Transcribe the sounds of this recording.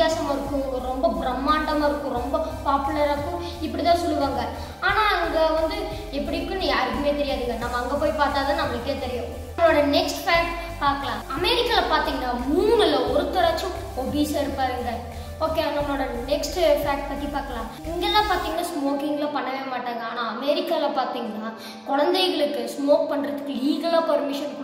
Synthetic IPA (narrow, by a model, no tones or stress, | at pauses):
jaːsɐmaːɪɾɯkːʊ̃ɾɔmbɐbɾɐmːaːʈːɐmaːɪɾɯkːʊ̃ɾɔmbɐpaːpɯlɐɾaːɯkːʊ̃ | ɪpːɐɽit̪ãːsɔlːɯʋaːŋɡɐ | aːnaːɐŋɡɐʋɐnd̪ɯ | ɛpːɐɽɪɾɯkːʊ̃nːijaːɾɯkːɯmeːt̪ɛɾɪjaːðɯŋɡɐnɐmːɐːŋɡɐpoːjpaːɾt̪aːðaːnɐmːɐɭɯkːeːt̪ɛɾɪjʊ̃ | mlːoːɽɐnɛksʈfaːʈ | paːɾkɐlãːɐmɛɾɪkːaːlɐpaːɾt̪iːŋɡɐnːaːmuːɡɐlɐɔɾɯt̪ːɐɾaːt͡ʃːʊ̃ | oːbiːsɐɛɽɯpːaːɾɯŋɡɐ | oːkːeːɐɡɐmnːoːɽɐnɛksʈɯfaːkʈ̚pɐt̪ːipaːɾkɐlãː | ɪŋɡeːt̪ãːpaːɾt̪iːŋɡɐnːaːsmoːkɪŋɡlɐpɐɳːɐʋeːmaːʈːaːŋɡɐaːnãːɐmɛːɾɪkːaːɪlɐpaːɾt̪iːŋɡɐnaː | kɔɻɐnd̪ɐɪɣɐɭɯkːɯsmoːk̚pɐɳːɾɐðɯkːɯliːɣɐlaːpɐɾmɪʂɐn